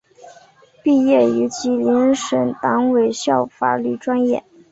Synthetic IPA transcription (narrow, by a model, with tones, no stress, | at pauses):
pi˥˧jɛ˥˩y˧˥t͡ɕʰi˧˥li˧˥nʂə˨˩nt̪ɑ˧˥ŋwe˨˩ɪɕjɑ˥˩ʊfa̰˨˩ly˥˩ʈ͡ʂwa˥njɛ̰˥˩